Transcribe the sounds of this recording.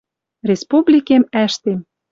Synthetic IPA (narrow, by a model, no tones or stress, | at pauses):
rʲespublʲikemæʃt̪em